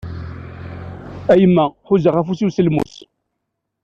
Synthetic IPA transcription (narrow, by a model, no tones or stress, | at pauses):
æjəmːæħʊzəʁæfusiwsəlmṵs